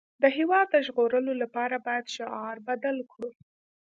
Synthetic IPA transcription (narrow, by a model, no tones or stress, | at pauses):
d̪əɦewɑd̪̚ːəʒɣoɾəlolapɑɾabɑjad̪ʃʊʔɑɾbad̪alkɽu